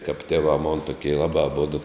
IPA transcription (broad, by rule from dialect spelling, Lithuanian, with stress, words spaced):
kɐp tʲeːˈʋɑː moːn tʊˈkʲiɛ ˈlˠɑːbɑː ɐˈboːdʊ